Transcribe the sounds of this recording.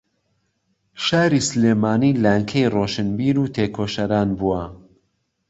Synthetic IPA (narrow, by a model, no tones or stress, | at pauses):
ʃaːɾiːsleːmaːniːlaːjŋkʰɐjroʃɨnbiːɾuːt̪ʰeːkʰoːʃɐɾaːnbuwɐ